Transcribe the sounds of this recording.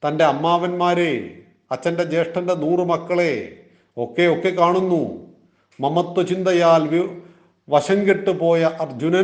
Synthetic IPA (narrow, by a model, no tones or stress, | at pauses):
t̪ɐnde̞ɐmːaːʋɐnmaːɾe | ɐt͡ɕːɐnde̞d͡ʑe̞ːʂʈɐndenuːrɨmɐkːɐɭe | okːeokːekaːɳunːu | mɐmɐt̪ːɐt͡ɕind̪ɐjaːlʋi | ʋɐɕɐŋɡiʈːupo̞ːjɐʔɐrd͡ʑunɐ